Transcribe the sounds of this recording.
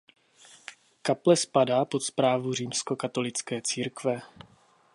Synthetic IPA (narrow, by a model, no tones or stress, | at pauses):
kaplɛspadaːpo̞t̪spɾaːvuriːmsko̞kat̪o̞lɪt͡skɛːt͡siːɾkvɛ